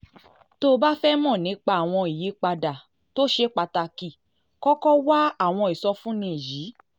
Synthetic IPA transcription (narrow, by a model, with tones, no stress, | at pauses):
to˦ba˦fɛ˦mɔ̃˦˨nĩ˨˦k͡pa˧˦a˨w̃ɔ̃˧i˨ji˨˦k͡pa˧da˨ | to˦ʃe˦k͡pa˧ta˧ki˧ | kɔ˦kɔ˦wa˦a˦˨w̃ɔ̃˧i˨sɔ˧fũ˦nĩ˧˨ji˨˦